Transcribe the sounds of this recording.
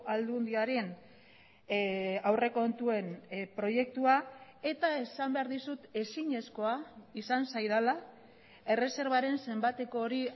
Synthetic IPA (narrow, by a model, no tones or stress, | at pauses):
ald̪und̪iaɾe̞n | awre̞ko̞nt̪ue̞npɾo̞je̞k̚t̪uae̞t̪ae̞sambe̞aɾðisut̪e̞siɲe̞sko̞aisansajðala | e̞re̞se̞ɾβ̞aɾe̞nse̞mbat̪e̞ko̞ːɾi